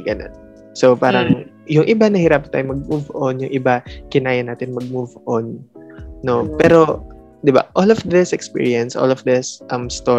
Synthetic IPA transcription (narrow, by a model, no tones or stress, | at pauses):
ɡɐno̰n | sopaːɾɐŋ | jʊŋʔɪbanɐhɪɾap̚ːɐnt̪aːjʊŋmɐɡ̚muvʔonjʊŋʔɪbakɪnaːjɐnaːt̪ɪnmɐɡ̚muvʔonː | o̞pɛːɾo̞ | d̪ɪba̰ʔolɔfd̪ɪsɛkspḭːɹiɐnsʔo̰lɔfd̪ɪsʔɐmst̪o